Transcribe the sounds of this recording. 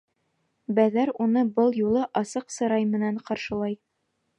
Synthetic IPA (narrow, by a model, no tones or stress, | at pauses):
bæðæɾunɤbɤlˠjulˠɤʔɑsɤqsɤ̆ɾɑjmɘ̆næɴqɑɾʃɤ̆lˠɑj